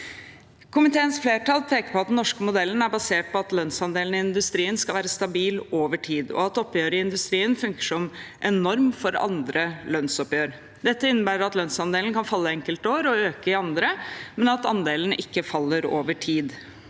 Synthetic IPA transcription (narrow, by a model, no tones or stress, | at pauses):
kʰʊmɪt̪ʰeːənsfleːʈɑːlpʰeːkəpɔɑt̪d̪nːɔʂkəmʊd̪ɛln̩æɾbɑseːʈ̚pɔɑt̪lœnsɑnd̪eːln̩ɪɪnd̪ʉst̪ɾiːənskɑlʋæːɾəst̪ɑbiːloːʋəʈʰiːd̪ɔ̰ɑt̪ɔpːjøːɾəɪnd̪ʉst̪ɾiːənfʉŋkə̥ʂɔmʔɛnɔɾmfɔɾɑ̰nd̪ɾəlœnsɔpjøːɾ | d̪ɛt̪ːəɪnːəbæːɾəɾɑt̪lœnsɑnd̪eːln̩kʰɑnfɑlːəɛŋkəlt̪oːɾɔøːkəɪɑnd̪ɾəmɛnɑt̪ɑ̰nd̪eːlən̩ɪkːəfɑlːəɾoːʋəʈʰiːd̪